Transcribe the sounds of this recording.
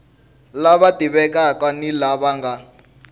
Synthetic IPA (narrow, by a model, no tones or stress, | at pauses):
laβatiβɛkakwanilaβaŋɡa